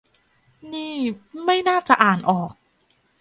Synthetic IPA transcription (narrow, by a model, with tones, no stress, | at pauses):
niː˥˩ma˥˩jnaː˥˩t͡ɕa˨˩ʔaː˨˩nʔɔː˨˩k̚